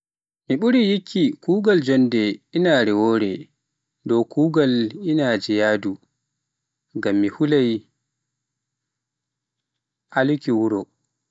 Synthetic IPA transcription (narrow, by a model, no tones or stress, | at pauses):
miɓuɾijikʰːikuːɡald͡ʒɔndɛʔinaɾɛwoːɾɛ | dɔkʰuːɡalʔinad͡ʒɛjaːdu | ɡamːihulaj | ʔalkiwuɾɔ